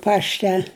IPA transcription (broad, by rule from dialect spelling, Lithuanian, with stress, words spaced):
ˈpɑːʃʲtʲɛ